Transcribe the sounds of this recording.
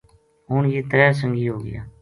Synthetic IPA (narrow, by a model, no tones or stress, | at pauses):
ɦʊnjiːt̪əɾɛːs̬əŋɡiːɦoːɡɪ̰ja̰ː